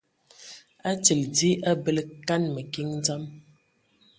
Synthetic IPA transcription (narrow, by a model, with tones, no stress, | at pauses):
a˦t͡sə˨ldi˦ʔa˦bə˦lə˦ka˦nmə˨ki˦ŋ˦d͡za˦m